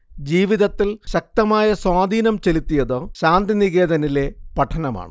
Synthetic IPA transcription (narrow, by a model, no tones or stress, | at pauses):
d͡ʑiːʋiðɐt̪ːilɕɐk̚t̪ɐmaːjɐswaːd̪ʱiːnɐmt͡ɕe̞lit̪ːijɐðoːɕaːnd̪iniɣe̞ːd̪ɐnile̞pɐʈʰːɐnɐma̰ːɳɨ